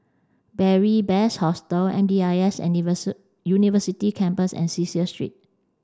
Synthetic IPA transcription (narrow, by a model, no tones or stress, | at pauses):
bɛɹibɛshɔstəlɛ̰̃mdiaɛsɛ̰n | junivəsitikʰɛ̃mpəsɛ̰̃nsisiəstɹḭt̚